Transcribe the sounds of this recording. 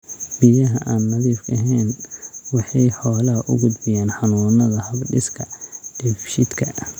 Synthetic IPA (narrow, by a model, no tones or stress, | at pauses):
bɪjɐɦɐʔaːnmɐðiːfkʰɐɦɛːnwɑħɑjħɔːlɐɦɐʔʊ̰ɡʊd̪bɪjaːnħɑnuːnɐðɐhɐbɖɪskʰɐd̥ɛfʃɪd̪kʰɐ